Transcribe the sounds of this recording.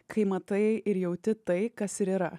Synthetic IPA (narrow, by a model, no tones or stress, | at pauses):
kʰɐɪmɐt̪ɐɪɛʔɪɾjɛʊt̪ʲɪt̪ɐɪkɐsɪɾiːɾɐ